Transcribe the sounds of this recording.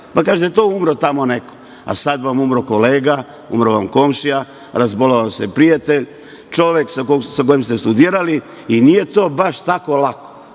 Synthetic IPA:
pakaːʒet̪et̪oːumɾot̪amo̞neko̥ | a̰sad̪ʋamumɾoko̞leːɡa | ṵmɾoʋamko̞mʃija | ɾazboloʋamsepɾijat̪e̞ʎ | t͡ʃo̞ʋjeksakosakojemst̪est̪ud̪iːɾali | inijet̪oːbaʃt̪ako̞lako̥

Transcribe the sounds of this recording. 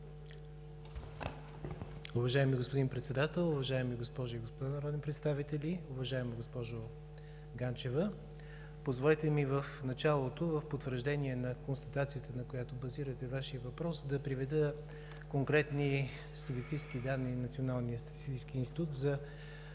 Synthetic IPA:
ʊvɐʒaɛmiɡospod̪inpɾɛt̪sɛd̪at̪ɛlˠʊvɐʒaɛmiɡospɔʒʊiɡospod̪anɐɾɔd̪ɛnpɾɛt̪st̪avit̪ɛliʊvɐʒaɛmoɡospɔʒo | ɡant͡ʃɛvə | pozvolɛt̪ɛmivəfnɐt͡ʃalˠot̪ovəfpot̪vəɾʒd̪ɛniɛnɐkonst̪ət̪at̪sijət̪ənɐkojat̪obɐziɾət̪ɛvaʃiəvɐpɾɔsd̪ɐpɾivɛd̪ə | koŋkɾɛt̪ni | st̪ɐt̪ist̪it͡ʃskid̪anːinɐt̪sionalˠnijəst̪ɐ̥t̪i̥st̪it͡ʃskiinst̪it̪ut̪zɐ

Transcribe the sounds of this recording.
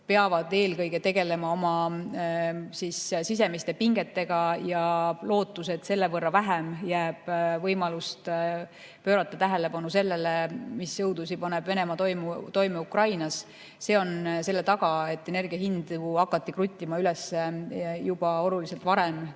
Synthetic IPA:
pe̞ɑvɑd̪̥e̞ːlkɤjɡ̥e̞t̪e̞ɡ̥e̞le̞mɑo̞mɑ | sissis̬e̞mist̪e̞piŋɡ̥e̞t̪ːe̞ɡ̥ɑjɑlo̞ːt̪ːˑuse̞d̪̥se̞lːevɤrːɑvæɦemjæːb̥vɤjmɑlust̪ | pø̞ːɾɑt̪ːˑɑt̪æɦele̞pɑnuse̞lːe̞lemisjɤwd̪̥usipɑneb̥ve̞ne̞mɑt̪ojmut̪o̞jmeukrɑjnɑs | se̞ːo̞nse̞lːet̪ɑɡ̥ɑe̞t̪ːe̞ne̞rɡiɑɦind̪̥uɑkːɑt̪ːikrut̪ʲːˑimɑylɛsejub̥ɑo̞lulise̞lt̪vɑɾem

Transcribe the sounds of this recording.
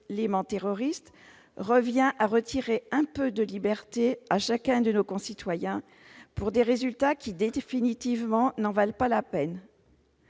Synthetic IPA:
lemɑ̃t̪eʁɔʁist̪ | ʁəvjɛ̃ʔaʁət̪ʰiʁeɛ̃pød̪əlibɛʁt̪eaʃakʲɛ̃d̪ənokɔ̃sit̪wajɛ̃ | puʁd̪eʁezylt̪akʲid̪efinit̪ivmɑ̃nɑ̃valpalapɛn

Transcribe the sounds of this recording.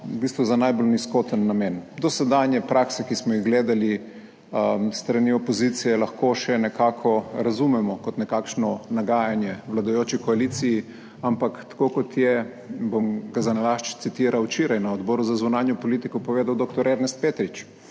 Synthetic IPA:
ubist̪ʋuzanajbolniskot̪ənːameːnd̪ɔsɛd̪anjɛpɾaksɛkismɔjiɣɡleːd̪ali | st̪ɾaniɔpɔzit̪sijɛlɐxkoʃɛnɛkaːkʰɔɾazumɛmɔkɔt̪nɛkakʃnɔnaɡaːjanjɛʋlad̪ajoːt͡ʃikɔaliːt̪siji | ampakt̪ḁkokɔt̪ʰjɛ | bomɡazanalaʃt͡ʃt̪sit̪iːɾawt͡ʃiɾajnaɔd̪bɔːɾuzazunaːnjɔpɔlit̪ikɔpɔʋeːd̪awd̪ok̚t̪ɔɾɛɾnɛst̪̚peːt̪ɾit͡ʃ

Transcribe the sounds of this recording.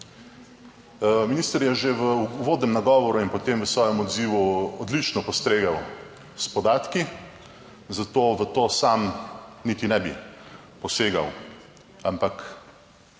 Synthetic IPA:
miniːst̪əɾjɛʒeʋəʋoːd̪nɛmnaɡɔːʋɔɾuinpɔt̪eːmʋəsʋɔːjɛmɔd̪ziːʋuɔd̪lit͡ʃnɔpɔst̪ɾeːɡaw | spɔd̪aːt̪ki | zat̪oːʋət̪oːsamnit̪inɛbi | pɔseːɡa̰w | ampak

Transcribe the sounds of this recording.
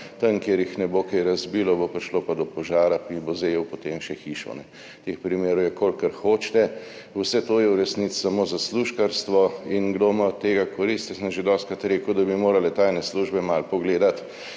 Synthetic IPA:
t̪ɐnkjeɾjixnɛbokɛjɾɐzbiːlɔbopɾiʃlopad̪ɔpɔʒaːɾapibozejɛwpɔt̪emʃɛxiʃɔ̰nɛ | t̪expɾimeːɾɔjɛkoːlkəɾxoːt͡ʃt̪ɛ | wsɛt̪oːjɛuɾɛsnit͡s̪samoːzasluʃkaɾst̪ʋɔinɡd̪omaɔt̪t̪ːeːɡakɔɾist̪isəmʒed̪ɔːst̪̚kɾat̪ɾeːkʊd̪abimoːɾalɛt̪aːjnɛsluʒbɛmalpɔɡleːd̪at̪

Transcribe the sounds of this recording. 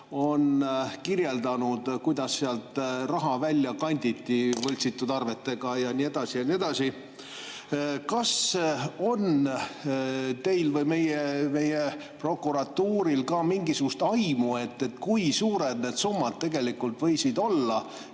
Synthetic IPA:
o̞nkirje̞ld̪ɑnud̪̥kujd̪ɑsːeɑlt̪rɑɦɑvælʲːjɑkɑnʲd̪̥ʲit̪ːˑivɤlʲt̪sit̪ːˑud̪ɑrve̞t̪ːe̞ɡ̥ɑjɑnie̞d̪̥ɑsijɑnie̞d̪̥ɑsi | kɑso̞n | t̪e̞jlvɤjme̞jeme̞je | pro̞kːuɾɑt̪ːuːɾilkɑmiŋɡisuɡ̥ust̪ɑjmue̞t̪ːe̞t̪kujsuːɾe̞d̪ne̞ːd̪̥sumːɑd̪̥t̪ːe̞ɡe̞likːˑult̪vɤ̞jsid̪̥o̞lːɑ

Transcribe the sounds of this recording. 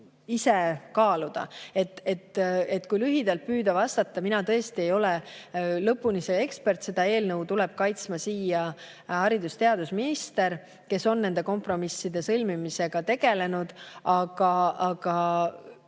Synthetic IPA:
ise̞kɑːlud̪̥ɑ̰e̞t̪ːˑet̪ːe̞t̪ːkujlyɦid̪̥ɑlt̪̚pyːd̪̥ɑvɑst̪ɑt̪ːɑminɑt̪ɤ̞est̪ie̞jo̞le̞lɤpːˑunisee̞kspe̞rt̪se̞d̪̥ɑe̞ːlnɤwt̪ulɛ̞b̥̚kɑjt̪smɑsiːjɑ | hɑɾid̪ust̪e̞ɑd̪usminist̪e̞ɾ | ke̞so̞nːe̞nd̪̥e̞ko̞mpro̞misːid̪̥e̞sɤlʲmimise̞ɡ̥ɑt̪e̞ɡ̥e̞le̞nud̪̥ɑɡ̥ɑɑɡ̥ɑ

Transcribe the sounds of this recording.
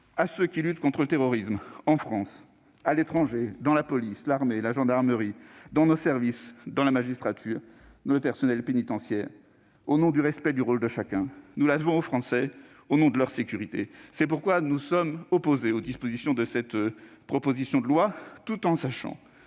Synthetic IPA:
asøkʲilyt̪kɔ̃t̪χələt̪eʁɔʁismɑ̃fχɑ̃s | alet̪χɑ̃ʒed̪ɑ̃lapɔlislaʁmelaʒɑ̃d̪aʁməʁid̪ɑ̃nosɛʁvisd̪ɑ̃lamaʒist̪χat̪ʰyːʁ | d̪ɑ̃ləpɛʁsɔnɛlpenit̪ɑ̃sjɛʁ | onɔ̃d̪yʁɛspɛd̪yʁold̪əʃakʲɛ̃nulad̪vɔ̃ofχɑ̃sɛ | onɔ̃d̪əlœʁsekʲyʁit̪esɛp̬uʁkwanusɔmɔpozeod̪ispozisjɔ̃d̪əsɛt̪ | pχɔpozisjɔ̃d̪əlwat̪ut̪ɑ̃saʃɑ̰̃

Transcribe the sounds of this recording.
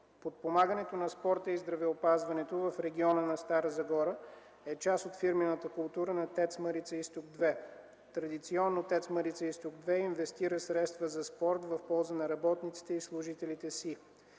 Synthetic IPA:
pot̪̚pomaɡənɛt̪onɐspɔɾt̪əizd̪ɾɐvɛopazvɐnɛt̪ovɐfɾɛɡʲiɔnənɐst̪aɾəzɐɡɔɾə | ɛt͡ʃasot̪fiɾmɛnət̪əkʊlˠt̪uɾənɐt̪ɛt̪sməɾit̪səist̪ʊɡ̚d̪vɛ | t̪ɾɐd̪it̪siɔnːot̪ɛt̪sməɾit̪səist̪ʊɡd̪vɛinvɛst̪iɾəsɾɛt̪st̪vəzɐspɔɾt̪vɐfpɔlˠzənɐɾɐbɔt̪nit̪si̥t̪ɛislˠʊʒit̪ɛlit̪ɛsi

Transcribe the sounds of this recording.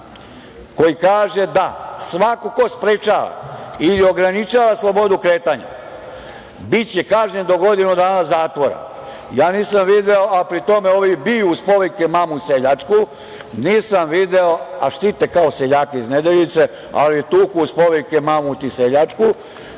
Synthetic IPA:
ko̞jikaːʒe̞d̪asʋakokospɾet͡ʃaːʋa̰ilio̞ɡɾanit͡ʃaːʋaslˠo̞bo̞d̪ukɾe̞ːt̪aɲa̰ | bit͡ɕekaːʒɲend̪o̞ɡo̞d̪inud̪aːnazaːt̪ʋo̞ɾa̰ | jaːniːsamʋid̪eoʔapɾit̪o̞meoːʋibijuːspo̞ʋekemamuseʎat͡ʂku | niːsamʋid̪eoa̰ʃt̪it̪ekaoseʎaːkeizned̪eʎit̪se̞ | a̰liet̪uːkuuspo̞ʋekemamut̪iseʎat͡ʃku

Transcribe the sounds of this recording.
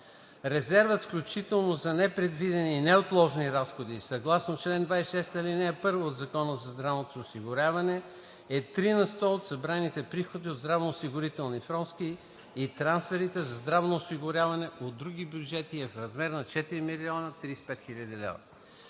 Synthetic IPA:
ɾɛzɛɾvət̪fklʲut͡ʃit̪ɛlˠnozɐnɛpɾɛd̪vid̪ɛninɛot̪lˠɔʒniɾasxod̪isɐɡlˠasnot͡ʃlɛnd̪vaisʃɛst̪əlinɛɛpɤɾvoːd̪zɐkɔnəzɐzd̪ɾavnot̪oːsiɡʊɾʲjavɐnɛ | ɛt̪ɾinɐst̪ɔot̪sɐbɾanit̪ɛpɾixod̪iod̪zd̪ɾavnoːsiɡʊɾit̪ɛlˠnifɾɔnt̪skiː | t̪ɾansfɛɾit̪ɛzɐzd̪ɾavnoːsiɡʊɾʲavɐnɛod̪ːɾuɡibjud͡ʒɛt̪iɛfɾɐzmɛɾnɐt͡ʃɛt̪iɾimiliɔnət̪ɾispɛt̪xilʲɐd̪id̪ɛ̰v

